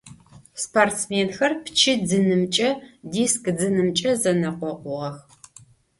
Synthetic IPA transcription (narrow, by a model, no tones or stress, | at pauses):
spʰortmeːnxɐrpt͡ʃʰɪd͡zɨnɨmt͡ʃʼɐdiːskʼd͡zɨnɨmt͡ʃʼɐzɐnɐqʷɔqʷʊʁɐx